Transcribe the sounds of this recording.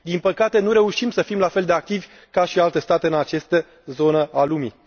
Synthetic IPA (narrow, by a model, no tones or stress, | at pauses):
d̪inpəkat̪e̞nuɾe̞uʃimsəfimlafe̞ld̪e̞ak̚t̪ivʲ | kaʃialt̪e̞st̪at̪e̞ɨnat͡ʃe̞st̪ə | zo̞nəalumḭ